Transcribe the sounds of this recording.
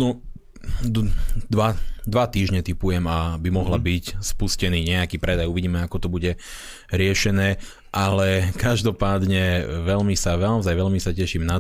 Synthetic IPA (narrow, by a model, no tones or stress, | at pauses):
nɔ | d̪ʋad̪ʋat̪iːʒɲɛt̪ipujɛmabimɔɦlabicspuscɛniːɲɛakiːpɾɛd̪ajuʋiɟiːmɛakɔt̪ɔbuɟɛ | ɾɪɛʃɛnɛː | ʔalɛkaʒd̪ɔpaːd̪ɲɛʋɛʎmisaʋɛlaʊzajʋɛʎmisacɛʃimna